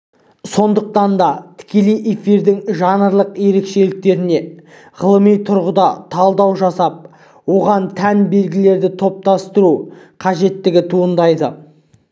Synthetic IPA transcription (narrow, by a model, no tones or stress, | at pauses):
so̞nd̪əq̚t̪ɑnd̪ɑt̪ʰɪ̥kʲe̞lejʔe̞fiɾd̪ɪŋʒɑnəɾlˠəqje̞ɾe̞kʃe̞lɪk̚t̪e̞ɾɪne̞ | ʁəlˠəmijt̪ʰʊɾʁəd̪ɑt̪ʰɑlˠd̪ɑwʒɑsɑp̚ | wo̞ʁɑnt̪ʰænbe̞lɡʲɪle̞ɾd̪ɪt̪ʰo̞p̚t̪ɑst̪əɾuqʰɑʒe̞t̪ːɪɡʲɪt̪ʰuənd̪ɑjd̪ə